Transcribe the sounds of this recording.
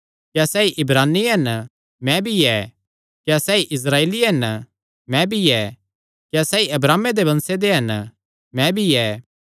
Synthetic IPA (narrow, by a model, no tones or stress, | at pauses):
kjasɛːiʔɪbɾaːnːiɦɐn | mɛ̃bʱiɛː | kjasɛːiʔɪs̬ɾaːeːliɦɐn | mɛ̃bʱiɛː | kjasɛːiʔɐbɾaːmed̪ebɐ̃nsed̪eɦɐn | mɛ̃bʱiɛː